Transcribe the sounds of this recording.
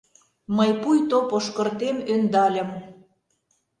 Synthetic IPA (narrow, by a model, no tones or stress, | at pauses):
məjpujt̪opoʃkə̆rt̪emønd̪ɑlʲə̆m